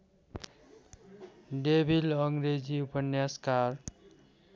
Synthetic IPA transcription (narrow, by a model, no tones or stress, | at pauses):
ɖebʱilʌŋɾed͡ziupʌnjaskaɾ